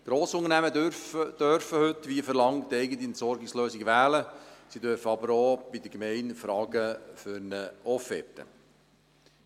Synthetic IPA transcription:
ɡ̥ɾoːsʊŋənæmədøɾfd̥øɾfəhɵt̪ːʋiːfəɾlɑŋtɛɪɡət̪iɛntsɔɾɡɪksløːsɪɡʋæːləsidøɾfəɑbəɾob̥ɪd̪əkmɛɪnfɾɑːɡəfʏɾnəɔfɛ̰tə̰

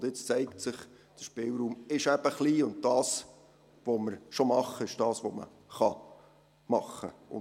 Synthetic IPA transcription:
ʊndɪt͡st͡sɛɪksɪχ | d̥əʃpɪlɾuːmɪʃæb̥əχliːʊnd̚dɑːs | ʋoməɾʃomɑχːəɪʃd̥ɑːsʋomə̰ | χɑ | mɑχːəʊ̰

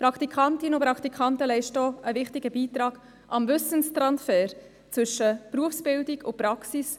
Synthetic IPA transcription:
pɾɑkʰt̪ikʰɑntɪnəʊpɾɑkt̪ikʰɑntəlɛɪʃtoʔəvɪχtɪɡəbiːt̪ɾɑːɡ̥ | ʔɑmvʏsənstɾɑnsfɛːɾ | t͡sʋʏʃːəpɾuəfsb̥ɪldiɡʊpɾɑksis

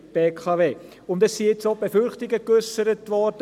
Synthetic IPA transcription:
b̥eːkʰɑveː | ʊndɛsːijet͡sobefʏɾχtɪɡəkøsəɾətvɔɾd̥ə

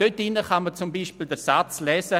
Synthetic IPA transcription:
d̥øtːinːəχamət͡sʊmbiːʃpildəsat͡slɛːsə

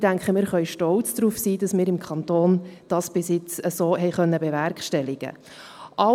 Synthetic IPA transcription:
d̥æŋkχəmɪːɾχœʏʃtɔlt͡sd̥ɾuːfsiːd̥ɑsmɪːɾɪmkʰɑntoːnd̥ɑːsb̥ɪsjɪt͡səsoːɦɛɪχœnːəbɛvæɾkʃtɛlɪɡ̥ə̰ | ʔɑ

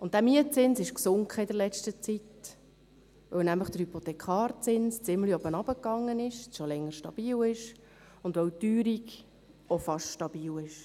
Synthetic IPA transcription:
ʊnt̚d̥æmiət͡sɪnsɪʃksʊŋkχəɪd̪əɾlɛt͡ʃtət͡sit̪ | ʋœwnæmləχd̥əɾhypot̪ɛkχɑːɾt͡sɪnst͡sɪmliɔbənɑb̥əkːɑŋːənɪʃʃolɛŋːəɾʃtɑb̥iːlɪʃ | ʊndʋœwtyːɾik | ofɑʃʃtɑb̥iːlɪʃ

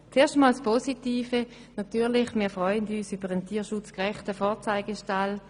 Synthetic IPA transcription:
t͡seːɐʃtmɔːlspʰɔsitiːfə | natyːɐlɪχmiːɐfʁɔʏənyːsybəʁəntʰiːɐʃut͡skʁɛχtəfɔːɐt͡saɪɡəʃtal

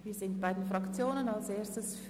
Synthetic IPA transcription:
viːzɪnt̚b̥aɪdən̩fʁɑkt͡sjoːnənalseːɐstəsf

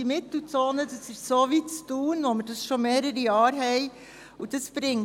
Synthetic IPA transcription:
imɪt̪l̩t͡soːnədəsɪsoʋit͡stuːnʋoməɾdɑsʃomeːɾəɾijɑːɾɦɛɪ | ud̥əsb̥ɾɪŋ

